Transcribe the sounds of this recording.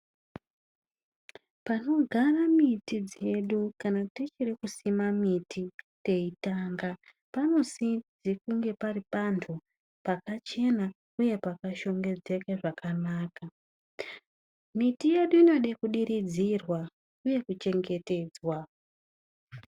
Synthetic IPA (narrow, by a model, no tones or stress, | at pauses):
pano̞ɡʱaramitid͡ze̞ɗukanatet͡ʃirikusimamitʰite̞itaːŋɡa | pano̞sid͡zikuŋɡe̞paripantʰu | pakat͡ʃe̞na | uje̞pakaʃo̞ŋɡe̞d͡ze̞keʐakanaːka | mitije̞ɗuino̞ɗekuɗirid͡zirwa | uje̞kut͡ʃe̞ŋɡe̞te̞ːd͡zwa